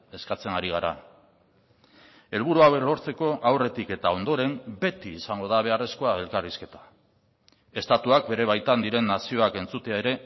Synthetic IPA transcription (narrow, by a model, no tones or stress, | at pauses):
e̞skat͡se̞naɾiɣ̞aɾa̰ | e̞lβ̞uɾuawelo̞ɾt͡se̞ko̞ʔawre̞t̪ike̞t̪ao̞nd̪o̞ɾe̞mbe̞t̪iːsaŋɡo̞ðaβ̞e̞are̞sko̞ae̞lkariske̞t̪ḁ | e̞st̪at̪uak̚be̞ɾe̞β̞ajt̪and̪iɾe̞nːasio̞ake̞nt͡sut̪eae̞ɾe̞